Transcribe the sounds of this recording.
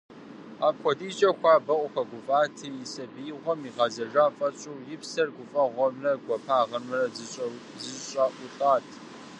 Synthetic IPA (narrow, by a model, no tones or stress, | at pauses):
aːpkʷɔdiːt͡ʃʼɐxʷaːbɐʔʷʼʊxɐɡʷʊfʼaːtʰɨjɪsɐbiːʁʷɔmiːʁɐzɐʒaːfʼɐɕʼuːjɪpsɐrɡʷʊfʼɐʁʷɔmrɐɡʷɔpʰaːʁɐnmɨrɐ | zɨɕʼaːʔʷʊɬʼaːtʰ